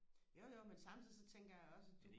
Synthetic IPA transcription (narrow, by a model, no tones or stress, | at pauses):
joʊjoʊmensɑ̈mtt͡sʰiðˠisɒ̽t͡sʰeŋ̰ɡ̥ɐjäɪɒ̽sæd̥u